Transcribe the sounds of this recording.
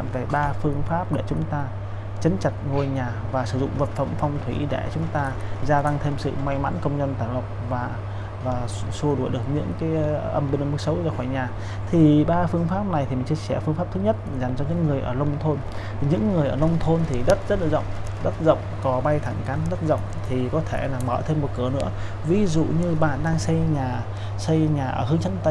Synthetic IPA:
nve˨˩ɓaː˧fɨ˧əŋfaː˦˥p̚ɗḛ˧˩t͡ɕʊ˨˦ŋ͡mt̪aː˧ | t͡ɕə˨˦nt͡ɕa˨˩t̚ŋo˧jɲaː˨˩vaː˨˩sɨ̰˧˩zʊ̰˧˨ŋ͡mvə˨˩t̚fə̰˧˩mfɔ˧wŋ͡mt̪ʰwi˧˩ɗḛ˧˩t͡ɕʊ˨˦ŋ͡mt̪aː˧zaː˧t̪a˧ŋt̪ʰe˧msɨ̰˧˨ma˧jma̰ː˧˥nkə˧wŋ͡mzə˧nt̪aː˧˩jlo˨˩k͡p̚vaː˨˩ | vaː˨˩ | su˧əɗu˧˩əjɗɨ˨˩ək̚ɲɨ̰˧˥ŋkaː˨˦jʔə˧˩mɓi˧ŋə˧˩mɨ˦˥ksə˨˦wzaː˧˩xwaː˧˩jɲaː˨˩ | t̪ʰi˨˩ɓaː˧fɨ˧əŋfaː˦˥p̚na˨˩jt̪ʰi˨˩m˨˩ŋt͡ɕi˧əsɛ˧˩fɨ˧ŋfaː˦˥p̚tʰɨ˨˦ɲə˦˥t̚za˨˩jŋ̟t͡ɕɔ˧ɲɨ̰˧˥ŋːɨ˨˩əjʔəː˧˩lə˧wŋ͡mt̪ʰo˧n˨˩ | ɲɨ̰˧˥ŋːɨ˨˩əjʔəː˧˩lə˧wŋ͡mt̪ʰo˧nt̪ʰi˨˩ɗə˦˥t̚zə˦˥t̚lə˨˩zə̰˧˨wŋ͡m | ɗə˦˥t̚zə̰˧˨wŋ͡mkɔ˨˦ɓa˧jt̪ʰa˧˩ŋka˨˦nɗə˦˥t̚zə̰˧˨wŋ͡mt̪ʰi˨˩kɔ˨˦t̪ʰe˧˩laː˨˩məː˧˩t̪ʰe˧mːo˨˩t̚kɨ˨˩ənɨ̰˧˥ə | vi˨˦zṵ˧˨ɲɨ˧ɓa̰ː˧˨nɗaː˧ŋsə˧jɲaː˨˩ | sə˧jɲaː˨˩ʔəː˧˩ɦɨ˨˦ŋt͡ɕʰə˨˦˥nt̪ə˧

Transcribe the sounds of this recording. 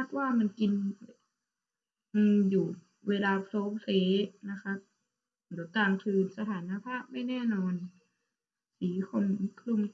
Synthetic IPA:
a˧˩k̚waː˥˩˨ma˧˥˨nki˧n | ʔɯː˧mjuː˨˩ | weː˧laː˧pʰɾoː˧˦p̚seː˧˦na˦˧˥kʰa˦˥p̚ | do˨˩˦kaː˨˩ŋk̪ʰɯː˧˩nsa˧t̪ʰaː˨˩˦nːaː˧pʰaː˥˩p̚ma˥˩˨jnɛː˧˥˩nɔː˧n | siː˨˦kʰo˧˩m˧˦kʰlu˧˩˨m

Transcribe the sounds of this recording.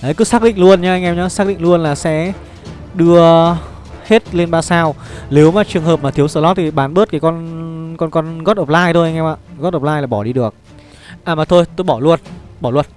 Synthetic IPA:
ʔə˨˦jkɨ˨˦saː˦˥k̚ɗḭ˧˨ŋ̟lu˧ənɲaː˧ʔa˧jŋʔɛ˧mɲɔ˨˦saː˦˥k̚ɗḭ˧˨ŋ̟lu˧ənlaː˨˩sɛ̰˧˥ | ɗɨ˧ə | he˦˥t̚le˧nɓaː˧saː˧w | ne˨˦wmaː˨˩t͡ɕɨ˨˩əŋhɦəː˨˩p̚maː˨˩t̪ʰi˨˦əwsəː˧˩lɔ˨˦˥t̪ʰi˨˩ɓaː˨˦nɓə˦˥t̚kaː˨˦jkɔ˧nkɔ˧nkɔ˧nɣɔ˦˥t̚ə˨˩p̚laː˧jt̪ʰo˧jʔa˧ŋʔɛ˧mʔa̰ː˧˨ɣɔ˦˥t̚ʔə˨˩p̚laː˧jlaː˨˩ɓɔ˧˩ɗi˧ɗɨ˨˩ək̚ | ʔaː˨˩maː˨˩t̪ʰo˧jt̪o˧jɓɔ˧˩lu˧ənɓɔ˧˩lu˧ən

